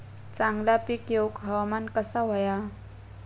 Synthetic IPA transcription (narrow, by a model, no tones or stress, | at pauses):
t͡saŋlapikjowkɦawmankəsawaja